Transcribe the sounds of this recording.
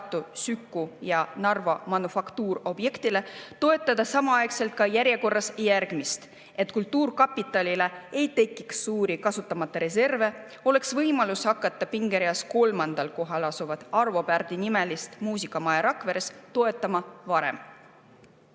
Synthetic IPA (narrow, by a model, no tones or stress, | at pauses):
t̪ˑːusykːujɑnɑrvo̞mɑnufɑkt̪uːɾo̞bje̞kt̪ile̞t̪o̞e̞t̪ːˑɑd̪̥ɑsɑmɑɑekse̞lt̪̚kɑjæɾje̞ko̞rːɑsjærɡ̥mist̪ | e̞t̪kult̪ːˑuːrkɑpːˑit̪ːˑɑlʲile̞e̞jt̪e̞kːˑiksːuːɾikɑsut̪ˑːɑmɑt̪ːˑɑɾe̞se̞rve̞ | o̞le̞ksvɤjmɑlushɑkːˑɑt̪ːˑɑpiŋɡ̥e̞ɾiɑsko̞lmɑnd̪̥ɑlko̞ɦɑlɑsuvɑd̪̥ɑrvo̞pærd̪̥inime̞list̪muːs̬ikːˑɑmɑeɾɑkˑve̞ɾest̪o̞e̞t̪ˑːɑmɑvɑɾe̞̰m